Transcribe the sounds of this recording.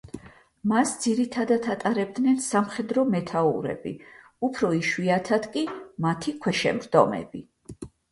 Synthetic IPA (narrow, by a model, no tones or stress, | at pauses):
masd̪ziɾit̪ʰad̪at̪ʰat̪ʼaɾɛb̚d̪nɛnsamχɛd̪ɾɔmɛt̪ʰauɾɛ̰bḭ | upʰɾɔiʃwiat̪ʰad̪kʼimat̪ʰikʰwɛʃɛmɾd̪̥ɔ̰mɛ̰bi